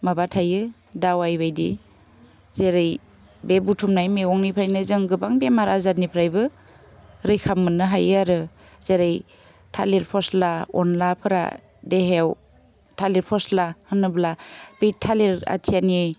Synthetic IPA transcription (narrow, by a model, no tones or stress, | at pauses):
mabatʰajɯ | dawajbajdḭ | zeɾɯj | bebutʰumnajmeɔŋnipʰɾajnɯzɯŋɡɯbaŋbemaɾazat̚nipʰɾajbɯ | ɾɯjkʰamːɯnɯɦajɯaɾɯ | z̥eɾɯj | tʰa̰leɾpʰɔslaɔ̰nlapʰɯɾa̰ | deɦew | tʰaleɾpʰɔslahɯnɯblab̥ejtʰaleɾa̰tʰianie